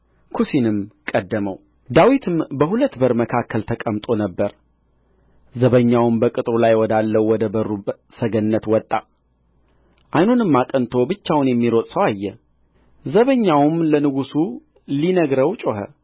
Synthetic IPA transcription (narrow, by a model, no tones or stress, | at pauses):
kʰusinɨmkʼəd̪ːəməw | d̪awit̪ʰɨmbəɦulət̪ːbəɾməkʰakːəlt̪ʰəkʼəmt̪ʼo̞nəbːəɾ | zəβəɲːawmbəkʼɨt̪ʼɾulajwɔd̪alːəwːɔd̪əbəɾːusəɡənːət̪wɔt̪ʼːa | ʔajnonɨmːakʼənt̪ʰo̞bɨt͡ʃːawnjɛmːiɾot̪ʼsəwajːɛ | zəβəɲːawmlənɨɡusu | linəɡɾəwt͡ʃʼoɦə̰